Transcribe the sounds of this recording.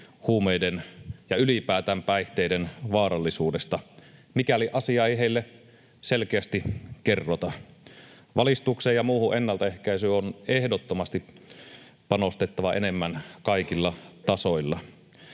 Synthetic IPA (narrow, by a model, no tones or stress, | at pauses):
huːmejdenjɑylipæːt̪æmpæiht̪eidenʋɑːɾɑlːisuːdest̪ɑmikæliʔɑsiɑeiɦeilːe | selkeæst̪ikerːot̪ɑ | ʋɑlist̪uksejjɑmuːhuʔenːɑlt̪ɑehkæisyːonehdot̪ːomɑst̪i | pɑnost̪et̪ːɑʋɑʔenemːænkɑikilːɑt̪ɑsoilːɑ